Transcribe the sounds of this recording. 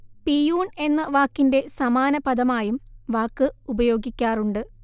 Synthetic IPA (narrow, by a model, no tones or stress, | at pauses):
pijuːne̞nːɐʋaːkːinde̞sɐmaːnɐpɐd̪ɐmaːjumʋaːkːɨubɐjo̞ːɡikʲːaːruɳɖɨ